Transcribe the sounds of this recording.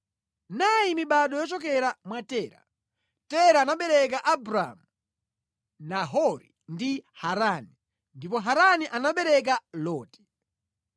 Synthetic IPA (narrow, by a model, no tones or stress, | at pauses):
najimiɓaɗɔjɔt͡ʃɔkɛɾamwatɛːɾa̰ | tɛɾaːnaɓɛɾɛk̬aʔabɾa̰mu | naɦɔɾi | ndihaɾani | ndipɔɦaɾaniʔanaɓɛɾɛk̬alɔːti̥